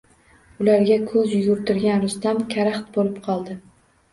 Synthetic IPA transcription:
ʊlaɾɡʲakʰɵzjʊɡʊɾt̪ɪɾɡʲanɾʊst̪amkʲʰaɾaχt̪bolɪpqʰɒlˠd̪ɪ

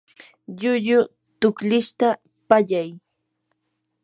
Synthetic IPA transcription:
ʎʊʎʊ | t̪ʊkʎɪʃt̪a | paʎaj

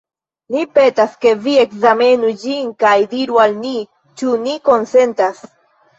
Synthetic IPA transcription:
nipe̞taske̞vie̞kzame̞nud͡ʒinkajdiɾualni | t͡ʃuniko̞nse̞nt̪as

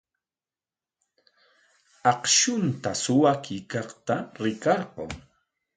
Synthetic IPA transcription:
ɑqʃʊnt̪asʊwakʰɪkɑχt̪aɾɪkɑɾqo̰ŋ

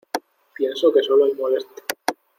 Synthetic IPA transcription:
pjensoke̞soloemolest̪e̥

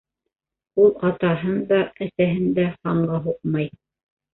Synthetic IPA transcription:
ulˠɑt̪ɑɦɤnd̪ɑæsæɦɘnd̪æhɑɴʁɑɦuqmɑj

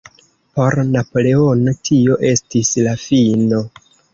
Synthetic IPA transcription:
po̞ɾnapo̞le̞o̞no̞tʰio̞ʔe̞stislafino̞

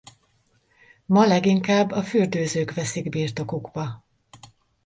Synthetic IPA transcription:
mɒlɛɡiŋkaːbːɒfyrd̪øːzøːkʋɛsiɡbiːrt̪o̞kuɡbɒ

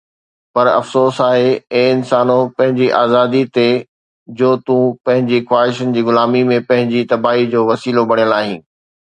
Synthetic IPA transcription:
pɐɾɐ̰fsoːsaːɦeẽːɪnsaːnõpɐ̃ɦɪ̃ɲd͡ʑiʔaːzaːd̪it̪e | d͡ʑoːt̪ũpɐ̃ɦɪ̃ɲd͡ʑixwaːɦɪʃənɪ̆d͡ʑiːɡʊlaːmimẽpɐ̃ɦɪ̃ɲd͡ʑit̪ɐbaːɦid͡ʑoːʋɐsiːlobɐɽ̃ijəlaːɦĩ̆ː

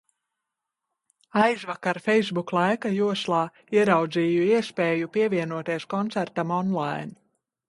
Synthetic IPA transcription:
ajzvakaɾfɛjzbuklˠajkajuɔslˠɑː | iɛɾawd̪ziːjuiɛspeːjupiɛviɛnuɔt̪iɛskɔnt̪sæɾt̪amɔnlˠajn

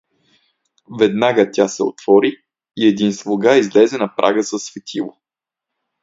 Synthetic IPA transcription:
vɛd̪naɡət̪ʲasɛo̰t̪v̥ɔɾiː | ɛd̪inslˠoɡaizlɛzɛnɐpɾʔa̰ɡəzəsvɛt̪ʰilˠo

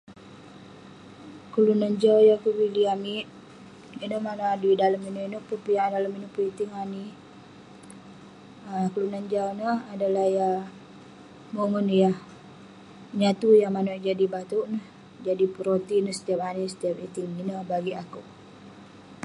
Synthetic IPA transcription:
kəlunaɲd͡ʒawjakubiliamiʔ | inəmanoadidaləminəinʊʔpəpijadaləminʊʔpəit̪iŋani | əkəlunaɲd͡ʒawnəhadalahja | momənjah | ɲat̪ujaŋmanod͡ʒadibat̪uʔnəh | d͡ʒadipəɾot̪inəsə̥t̪ijap̚anisə̥t̪iap̚it̪ɪŋinəhbaɡiakuʔ

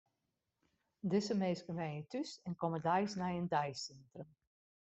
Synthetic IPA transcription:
dɪsəmeːskənʋɛjnətysɛnkɔmədɛjsnɛjəndɛjsɛntrəm

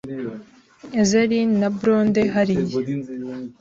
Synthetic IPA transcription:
ezeɾinːɐbɾoːnd̪eɦɐɾij

